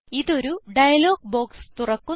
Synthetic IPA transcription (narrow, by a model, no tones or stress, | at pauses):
iðo̞ɾuɖɐjɐlo̞ːɡ̚bo̞ːkst̪urɐkːu